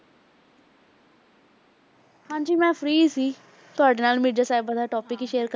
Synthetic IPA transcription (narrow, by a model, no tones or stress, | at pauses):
hãːɲd͡ʒiːmɛ̃ːpʰɾiːsiː | t̪ʊaːɖeːnaːlmɪd͡ʒaːsaːɪbəd̪aːʈɔːpɪkːʃeːəɾkə